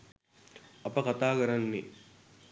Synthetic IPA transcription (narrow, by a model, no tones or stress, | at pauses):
ɐpəkat̪aːkəɾɐnːi